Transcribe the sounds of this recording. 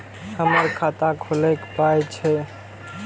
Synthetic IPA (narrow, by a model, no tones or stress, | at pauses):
həməɾkʰat̪akʰolɛkpajt͡ʃʰɛ